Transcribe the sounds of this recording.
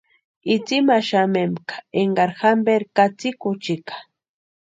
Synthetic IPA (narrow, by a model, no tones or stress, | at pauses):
it͡simaʃamemkḁeŋɡaɾxambeɾkat͡sikʊt͡ʃikḁ